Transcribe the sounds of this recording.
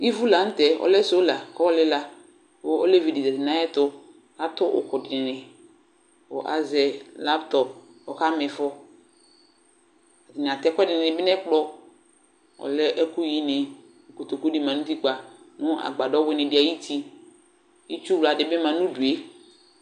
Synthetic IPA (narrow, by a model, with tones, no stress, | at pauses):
i˦vu˦la˨˦n̩˦tɛ˨ɔ̰˨lɛ˦so˨˦la˨kɔ˦lɪ˦la˨ | ʊ˦o˦le˦vi˨di˨zɛ˨tɪ˨na˨˦ɛ˦tʊ˦ | a˨tʊ˦ʔʊ̰˨kʊ˨dɪ˨nɪ˨nɪ˨ | ɔ̰˨ʔa̰˨zɛ˨la˦ptɔ˨p̚ | ɔ˨ka˦mɪ˨fɔ˦ | a˨tɪ˨n˨a˨tɛ˦kʷɛ˦dɪ˨nɪ̃˨nɪ̃˨bɪ˦nɛ˦k͡pɔ˦ | ɔ̰˨lɛ˦ʔɛ˦kʊ˦ji˦nɪ˨ | o˨ko˨to˨ko˦di˦mã˨nũ˦ti˦k͡pa˨ | nʊ̃˦a̰˨ɡ͡ba˨dɔ˦wɪ˦nɪ̃˨bɪ˦a˨ji˦tʰi˦ | i˦t͡ʃu˦wla˨dɪ˨bɪ˦mã˨nũ˦bu˨e˦